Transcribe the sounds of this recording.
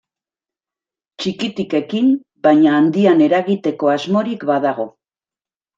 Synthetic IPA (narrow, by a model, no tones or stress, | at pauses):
t͡ʃikit̪ike̞kim | bajɲaːnd̪iane̞ɾaɣit̪e̞ko̞azmo̞ɾikbað̞aɣ̞o̞